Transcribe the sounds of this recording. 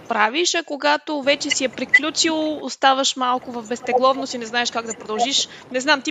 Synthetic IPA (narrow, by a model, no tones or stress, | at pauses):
pɾaviʃɐkoɡat̪ovɛt͡ʃɛsiɛpɾiklʲut͡ʃilˠost̪avəʃmalˠkʊvɐvbɛst̪ɛɡlˠɔvnosinɛznaɛʃkaɡd̪ɐpɾod̪ɐlˠʒiʃ | nɛznamt̪i